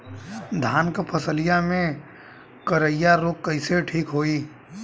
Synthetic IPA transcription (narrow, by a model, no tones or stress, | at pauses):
d̪ʱaːnkpʰəsəlɪjamẽ | kəɾəɪjaɾoːk̚kəɪseʈʰiːkɦoːiː